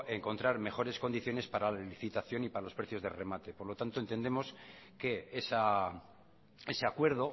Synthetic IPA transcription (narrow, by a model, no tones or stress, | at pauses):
e̞ŋkont̪ɾaɾme̞xo̞ɾe̞sko̞nd̪iθjo̞ne̞spaɾalaliθit̪aθjo̞nipaɾalo̞spɾe̞θjo̞zðere̞mat̪e̞poɾlo̞t̪ant̪oent̪e̞nd̪emo̞ske̞esa | e̞se̞akwe̞ɾðo̞